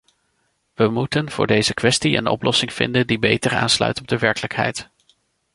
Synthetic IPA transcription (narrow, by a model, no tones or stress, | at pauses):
ʋəmutənv̥ʊ̰ːɹdejzəkʋɛstiə̰nɔ̰plɔsɪŋv̥ɪ̰ndəndibejtəɹa̰ːnslœ̰ɥtɔb̚dəʋɛɹkələkɦɛ̰jt